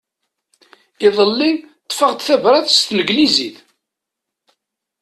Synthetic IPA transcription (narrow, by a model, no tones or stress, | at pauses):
ɪðˤəlːit̪ˤːfəʁd̪θævɾˤɑðst̪nəɡliziθ